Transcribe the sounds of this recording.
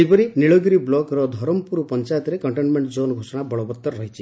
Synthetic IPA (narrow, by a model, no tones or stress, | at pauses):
ipɔɾiniɭɔɡiɾiblɔɡɾɔd̪ʱɔɾɔmɔpuɾupɔnt͡ʃajt̪ɾekɔɳʈenmeɳʈd͡ʒonɔɡʱosɔɽabɔɭɔbɔt̪ːɔɾɾɔɦit͡ʃʰi